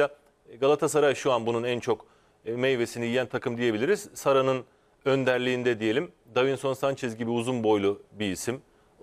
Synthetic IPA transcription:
a | ɡalˠat̪ʰas̬aɾajʃuanbununænt͡ʃʰo̞k | mejve̞sinijijænt̪ʰakʰɯmd̪ije̞bilʲiɾiz̥saɾanɯn | ø̞nd̪æɾlʲiːnd̪ɛd̪ije̞lʲim | d̪avinso̞nsant͡ʃʰɛzɟibiuzunbo̞jlˠubiːsim

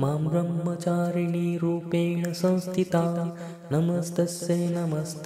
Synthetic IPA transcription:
maːmbɾɐmɦɐt͡ʃaːɾiniːɾuːpeːɳɐsɐ̃w̃st̪ʰit̪aː | nɐmɐsd̪ɐsjeːnɐmɐst̪

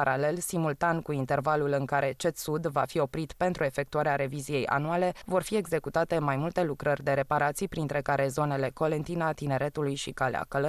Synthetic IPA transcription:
aɾale̞lsimult̪ankuint̪e̞rvalulɨŋkaɾe̞t͡ʃe̞t̪sud̪va̰fio̞pɾit̪pe̞nt̪ɾue̞fe̞k̚t̪uaɾeaɾe̞vizije̞ja̰nuale̞vo̞rfie̞ɡze̞kut̪at̪e̞majmult̪e̞lukɾərʲd̪e̞ɾe̞paɾat̪sijpɾint̪ɾe̞kaɾe̞zo̞ne̞le̞ko̞le̞nt̪inat̪ine̞ɾe̞t̪ulujʃikalḛa̰kələ

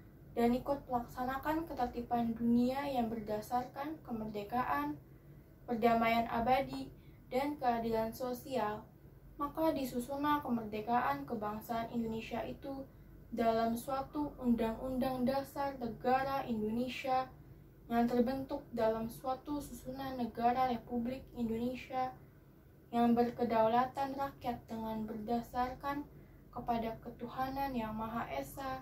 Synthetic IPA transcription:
danikʊt̪̚pəlaksanakankət̪at̪ipanduniajaŋbərdasarkankəmərdekaʔan | pərdamajanʔa̰badi | dankəadilansosial | makadisusunapəmərdekaʔankəbaŋsaːnindonesiaʔit̪u | dalamsuat̪uundaŋundaŋdasarnəɡaɾaʔindonesia | əŋant̪ərbənt̪ʊk̚dalamsuat̪ususunanəɡaɾaɾepublɪkindonesia | jaŋbərkədawlat̪anrakiat̪̚dəŋanbərdasarkan | kəpadakət̪uhananjaŋmaɦaʔesa

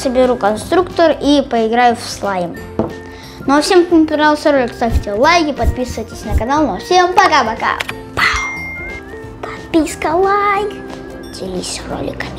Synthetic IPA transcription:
səbʲɪɾukɐnst̪ɾukt̪əripəɪɡɾajʊfslˠajm | nofsʲempmpʲɪɾalˠsʲəɾolʲɪkst̪afʲtʲɪlˠajkʲɪpɐt̪̚pʲisɨvəjtʲɪsʲnəkɐnalˠnofsʲempɐkapɐka̰ | pa | pɐ̥t̪̚pʲiskəlˠajk | d̪ʲɪlʲisʲro̰lʲɪ̰kəmʲ

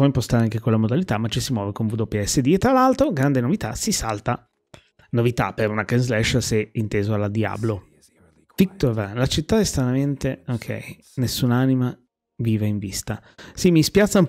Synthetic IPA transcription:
ɔimpost̪aɾeaŋk̟ekolːamod̪alit̪amːat͡ʃːisimwɔːvekoɱvud̪opeɛsːed̪iet̪ːɾalalt̪ɾoɡɾand̪enovit̪a̰sisa̰lt̪a | novit̪a̰peɾunakenzlɛʃsɛint̪eːzoalːad̪ia̰ːblo | fik̚t̪ovalat͡ʃit̪ːaɛst̪ɾanament̪eokʰɛ̰j | nesːuːnanima | viːvaiɱvist̪asimispjat̪sːaum

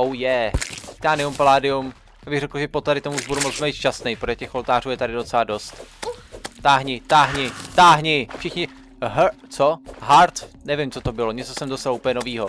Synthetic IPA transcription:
owjɛt̪aːnɪumpolaːdɪum | jaːbɪɣrɛkl̩ʒɛpot̪aɾɪt̪omuuʒbudumo̞t͡smɛjt̪ʃt͡ʃasnɛjpodlɛcɛxʔo̞lt̪aːruːjɛt̪aɾɪdo̞t͡sɛlado̞st̪ | t̪aːɦɲɪt̪aːɦɲɪt̪aːɦɲɪfʃɪxɲɪ | ɦ | t͡soɦaɾt̪nɛvɪmt͡so̞t̪o̞bɪloɲɛt͡sosɛmdosalʔuːpəɲɛno̞viːɦo

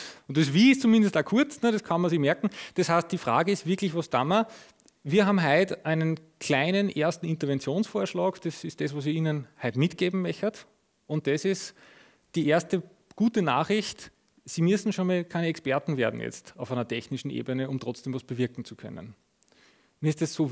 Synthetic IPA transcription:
ʊnt̚des̬viːɪstt͡sumɪ̃ndəstakʰʊɐt͡snəɾ̥ɐskʰɑnmɐsimɛɐkŋ̩d̥eshaɪst̚d̥iːfʁa̰ːɡəɪstv̥ɪɐklɪçʋosd̥amɐ | viːɐɦaːbm̩ɦaɪtʔæɪnənkʰl̥æɪnənʔeːɐstn̩ɪntɐvɛnt͡sjoːnsfoːɐʃlɑːkd̥esɪst̚d̥ɛs̬ʋos̬iiːnənhaɪtmɪtɡ̥eːbm̩mɛçət | ʊ̃nt̚d̥ɛsɪs | d̥iːʔeɐstə | ɡ̥uːtəna̰ːχʁɪçt | siːmʏsn̩ʃoːnmɑlkʰæɪnəɛkspɛɐtn̩veːɐdn̩jɛ̰t͡staʊfæɪnɐtʰɛçnɪʃn̩ʔḛːbənəʊmtʁɔt͡sd̥eːmvɑsb̥əvɪɐkŋ̩t͡su̥kʰœ̰nə̰n | miːɪstd̥essoː

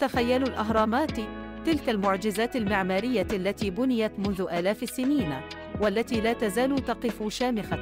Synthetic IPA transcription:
t̪axajːalʊlʔaɦɾˤɑːmaːt̪ | t̪ɪlkalmʊʕd͡ʒɪzaːt̪almɪʕmaːɾɪjːaʔalːat̪iːbʊnɪjat̪mʊnðʊʔaːlaːfasːɪniːn | walːat̪iːlaːt̪azaːlʊt̪ɑqɨfʊʃaːmɪxa

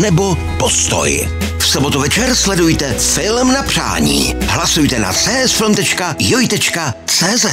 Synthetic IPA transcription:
nɛbo | post̪o̰j | fsobot̪uvɛt͡ʃɛɾslɛdujt̪ɛfɪlmnapr̝̥a̰ːɲḭː | ɦlasujt̪ɛna̰t͡sɛːʔɛsfɪlmt̪ɛt͡ʃkajojt̪ɛt͡ʃka | t͡sɛːzɛt

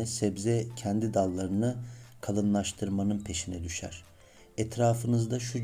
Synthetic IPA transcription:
ɛsɛbzɛcʰɛnd̪id̪alˠːaɾɯnɯkʰalˠɯnlˠaʃt̪ʰɯɾmanɯnpʰe̞ʃinɛd̪yʃæ̰ɾ̥ | ɛt̪ʰɾaːfɯnɯzd̪aʃu

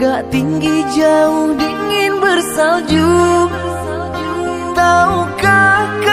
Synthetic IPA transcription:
ɡaʔt̪iŋɡid͡ʒaʊŋdiŋɪnbərsald͡ʒu | t̪aukak

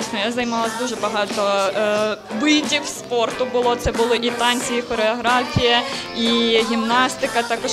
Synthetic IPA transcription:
sʲnɔjazɐjmɑlˠɐsʲd̪uʒɛbɐɦɑt̪ɔ | ʋɪdʲiwspɔrt̪ʊbʊlˠɔt̪sɛbʊlˠɪʔit̪ɑnʲt͡sʲijixɔɾeɔɦɾɑfʲijɐ | iɦʲimnɑst̪ɪkɐt̪ɑkɔʃ

